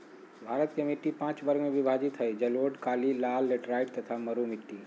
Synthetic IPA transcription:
bʱaɾət̪kemiʈːipãːt͡ʃbəɾɡmeʋibʱad͡ʒit̪ɦəjd͡ʒəloʈkaːlilalːeʈɾaɪʈt̪ət̪ʰaməɾumiʈːi

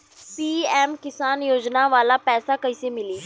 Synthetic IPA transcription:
piːɛːmkɪsaːnjoːd͡ʒnaːʋaːlaːpɛːsaːkəiːseːmɪliː

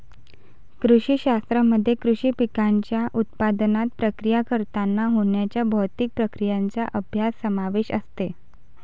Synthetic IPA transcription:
kɾuɕiːɕast̪ɾəməd̪ʱːjekɾuɕiːpikaɲt͡ɕjaʔut̪̚pad̪nat̪̚pɾəkɾijakəɾt̪anːaɦoɳjat͡ɕjabʱɔt̪ik̚pɾəkɾijaɲt͡saʔəbʱjasːəmaʋeɕə̰st̪e

